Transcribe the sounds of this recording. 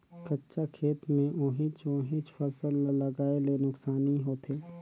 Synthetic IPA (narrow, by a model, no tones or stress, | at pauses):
kɐtːʃakʰeːt̪mẽʔoːɦɪ̃t͡ʃõːɦɪ̃t͡ʃfɐsəlːəlːɐɡaːelenʊksaːniɦoːt̪ʰeː